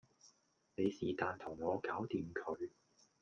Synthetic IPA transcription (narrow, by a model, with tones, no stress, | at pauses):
ne˨˧jsiː˨˩t̪aː˨nt̪ʰʊ˨˩ŋːɔː˨˧kaː˨˥wt̪iː˨˧mkʰɵ˨˧ɥ